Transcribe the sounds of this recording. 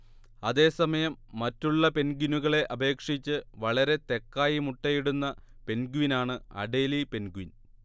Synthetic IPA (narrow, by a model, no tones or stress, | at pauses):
ɐðe̞ːsɐmɐjɐmːɐtːuɭːɐpe̞nɡinuɣɐɭe̞ʔɐbʱe̞ːkʂit͡ɕːɨʋɐɭɐɾe̞t̪e̞kːaːjimuʈːejiɽunːɐpe̞nɡuʋinaːɳɨɐ̰ɖe̞ːlipe̞nɡuʋin